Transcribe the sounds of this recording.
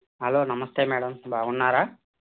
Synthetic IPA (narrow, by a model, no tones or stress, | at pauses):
ɦɐloːnɐmɐst̪eːmɛːɽɐmbʱaːɡunːaːɾaː